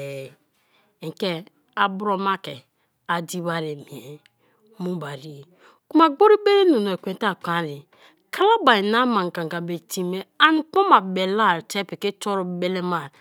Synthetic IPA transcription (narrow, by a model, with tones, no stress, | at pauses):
e˨ke˦ | a˨bu˦ɾo˦ma˦kɛ˨ | a˨di˦ba˦ɾe˨mĩ˨e˨ | mũ˦ba˨ɾi˦˨ | ku˦ma˨ɡ͡bo˦ɾi˦be˦ɾe˦nu˨n˨kʷẽ˨˦ta˦˨kã˨˦ɾi˨ | kʰa˦la˦ba˨i˨na˦mã˨ŋ˨ɡa˨ŋɡa˨be˨ti˦me˦a˦ni˦k͡po˦ma˨be˨la˦˨ɾtɛ˦pe˨ke˦to˦ɾu˦be˦le˦ma˦˨